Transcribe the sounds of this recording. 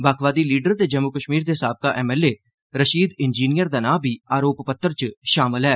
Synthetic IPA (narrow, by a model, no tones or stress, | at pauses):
baːkʰʋaːd̪iːliːɖəɾt̪eːd͡ʒəmːʊkəʃmiːɾd̪eːsaːb̚kaːʔɛːmɛːleː | ɾəʃiːd̪ɪnd͡ʒiːnijəɾd̪aːnaːbʱiːaːɾoːppət̪ːəɾt͡ʃʃaːmɪlɦɛː